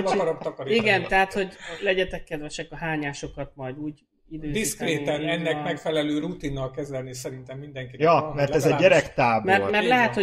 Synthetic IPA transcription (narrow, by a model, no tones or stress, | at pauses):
ɾok̪ɒkɒɾiiɡɛntt̪ɛɦat̪ho̞ɟlɛɟɛt̪ɛkːɛd̪ʋɛʃɛkɒɦaːɲaːʃo̞kɒt̪mɒjd̪uːɟ | id̪øːd̪iskɾeːt̪ɛnɛnːɛkmɛkfɛlɛløːɾut̪inːɒlkɛzɛlnisɛɾint̪ɛmːind̪ɛŋkijɒmɛrɛzzɛːɛɾɛkt̪aːbmɛomɛrlɛɦɛt̪ho